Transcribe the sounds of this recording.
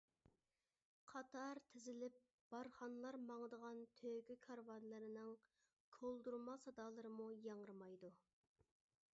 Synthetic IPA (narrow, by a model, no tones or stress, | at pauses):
qʰɑt̪ʰɑɾt̪ʰɪzɪlɪp̚ | b̥ɑɾχɑnɨlˠɑɾmɑŋəd̪əʁɑnt̪ʰøɡʲykʲʰɑɾwɑnlˠɨɾɨnɨŋ | kʰolˠd̪uɾmɑsɑd̪ɑːlˠɨɾɨmujɑŋəɾɨmɑjd̪u